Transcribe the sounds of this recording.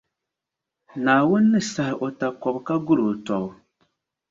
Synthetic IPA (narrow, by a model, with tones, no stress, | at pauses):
naː˨wʊ˦nːɨ˦sa˨hɪ˨ʔo˨ta˨kɔ˨bka˦ɡʊ˦ɾo˨tɔ˨bʊ˨